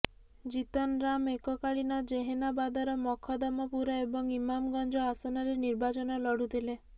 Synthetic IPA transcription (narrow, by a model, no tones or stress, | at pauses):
d͡ʒit̪ɔnɾamekɔkaɭinɔd͡ʒeɦenabad̪ɔɾɔmɔkʰɔd̪ɔmɔpuɾɔebɔŋimamɡɔnd͡ʒɔasɔnɔɾeniɾbat͡ʃɔnɔlɔɽut̪ʰile